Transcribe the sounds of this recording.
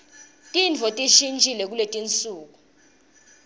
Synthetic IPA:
tʼint͡fʰɔtʼiʃint͡ʃʼilɛk̬uletʼint͡sʼuːk̬u

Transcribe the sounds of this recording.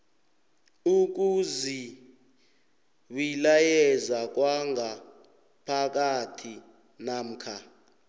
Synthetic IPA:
uk̬uzi | ɓilajɛzak̬waŋɡa | pʰak̬atʰi | nam̩ːkʰa

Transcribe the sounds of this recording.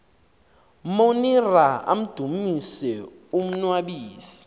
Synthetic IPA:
moniraa̰m̩d̥ʱumisɛ | um̩nwaɓiːsi̥

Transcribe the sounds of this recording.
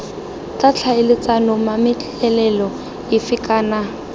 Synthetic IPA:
t͡ɬat͡ɬʰaɪlɪt͡sanʊmamɪt͡ɬ | ɛlɛlɔ | ɪfɪkʼaːna

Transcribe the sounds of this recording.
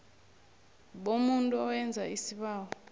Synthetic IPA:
ɓomuntʼuɔwɛnd͡zʱaisiɓaːwɔ

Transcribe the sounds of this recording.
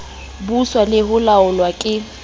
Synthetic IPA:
buswalɪhʊlaʊlwakʼɪ

